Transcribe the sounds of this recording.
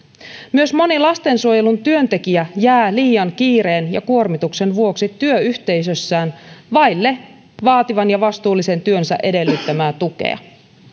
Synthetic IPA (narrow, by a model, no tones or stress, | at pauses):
myø̞smo̞nilɑst̪e̞nsuoje̞lunt̪yø̞nt̪e̞kiæjæːliːjɑŋkiːɾe̞ːnjɑ̰kuo̞rmit̪ukse̞nʋuo̞ksit̪yøyçt̪e̞jsøsːæːnʋɑjlːe̞ | ʋɑːt̪iʋɑnjɑʋɑst̪uːlːise̞nt̪yønsæ̰ʔe̞de̞lːyt̪ːæmæːt̪uke̞̰ɑ̰